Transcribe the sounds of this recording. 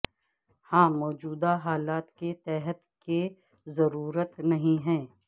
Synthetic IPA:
hãːmɔːd͡ʒuːd̪aɦaːlaːt̪ket̪ɛːɦət̪ke | zɐɾuːɾət̪nɐɦĩɦɛ̃ː

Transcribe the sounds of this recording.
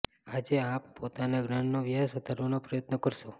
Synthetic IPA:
ad͡ʒeapːot̪anaɡnaɳnoʋjasʋəd̪ʱaɾʋanopɾəjət̪nəkəɾʃo

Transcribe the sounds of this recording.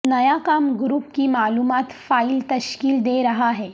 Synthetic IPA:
nəjakamɡɾuːpkiːmaːluːmat̪failt̪əɕkiːld̪eɾəɦaɦɛ

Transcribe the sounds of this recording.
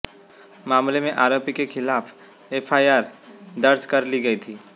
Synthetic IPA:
maːmlemẽʔaːɾoːpikekʰɪlaːf | eːpʰaːjaːɾd̪ɐɾd͡ʒkɐɾliɡɐit̪ʰiː

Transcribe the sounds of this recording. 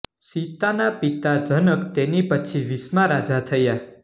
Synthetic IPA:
sit̪anapit̪ad͡ʒənəkt̪enipət͡ʃʰiʋismaɾad͡ʒat̪ʰəja

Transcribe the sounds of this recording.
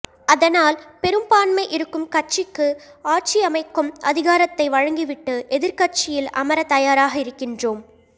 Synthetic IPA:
ɐðɐnaːlpɛɾɯmpaːnmɐɪʔɪɾɯkːɯmkɐʈ̚t͡ʃɪkːɯaːʈ̚t͡ʃiɐmɐɪkːɯmʔɐðɪɣaːɾɐt̪ːɐɪʋɐɻɐŋɡɪʋɪʈːɯʔɛðɪɾkɐʈt͡ʃɪjɪlɐ̰mɐɾɐt̪ɐjaːɾaːɣɐɪɾɯkːɪndroːm

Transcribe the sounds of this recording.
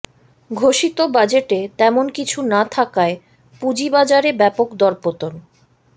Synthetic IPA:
ɡʱoʃit̪obad͡ʑeʈet̪ɛmonkit͡ɕʰunat̪ʰakae | pud͡ʑibad͡ʑaɾebɛpokd̪ɔɾpot̪on

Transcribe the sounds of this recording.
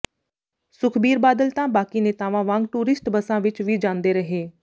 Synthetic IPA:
sʊkʰbiːɾbaːd̪əlt̪ãːbaːkiːneːt̪aːʋãːʋãːŋɡ̚ʈuːɾɪsʈbəsãːʋɪt͡ʃʋiːd͡ʒãːnd̪eːɾəɦeː

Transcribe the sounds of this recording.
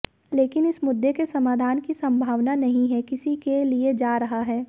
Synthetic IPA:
leːkɪnɪsmʊd̪ːekesɐmaːd̪ʱaːnkisɐ̃mbʱaːʋnanɐɦĩɦɛkɪsikelied͡ʒaːɾɐɦaɦɛː

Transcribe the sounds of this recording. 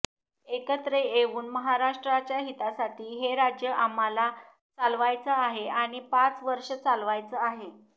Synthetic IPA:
ekət̪ɾeeʋuːnməɦaɾaʂʈɾat͡ɕjaɦit̪asaʈʰiːɦeɾad͡ʑjəʔamala | t͡salʋajt͡səaɦeaɽ̃ipat͡sʋəɾʂət͡salʋajt͡səaɦe

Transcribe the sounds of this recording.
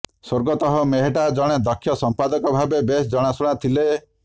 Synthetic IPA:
soɾɡɔt̪ɔɦɔmeɦeʈad͡ʒɔɽ̃ed̪ɔkʰːjɔsɔmpad̪ɔkɔbʱabebesd͡ʒɔɽ̃asuɽ̃at̪ʰile

